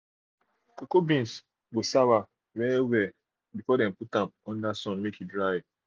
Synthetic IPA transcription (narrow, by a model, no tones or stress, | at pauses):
kokobĩns | ɡosawa | vɛiwɛ | bifɔdɛ̃mputãmɔ̃ndasɔ̃nmekʰidɹaj